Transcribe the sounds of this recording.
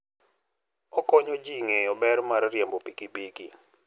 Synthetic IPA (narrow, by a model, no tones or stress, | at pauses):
ɔkɔɲod͡ʒiŋeɔbɛɾmaɾrjembopikibiki